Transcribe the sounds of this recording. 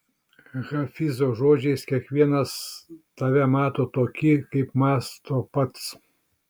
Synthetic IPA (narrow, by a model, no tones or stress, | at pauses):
ɣɐfʲɪzoːʒoːd͡ʒʲɛɪskʲiɛkʋʲiɛnɐst̪ɐʋʲɛmɑːt̪oːt̪oːkʲɪkɐɪpmɑːst̪ʰoːpɐt̪s